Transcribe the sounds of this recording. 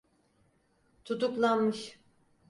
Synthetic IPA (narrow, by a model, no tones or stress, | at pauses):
t̪ʰut̪uklˠanmɯʃ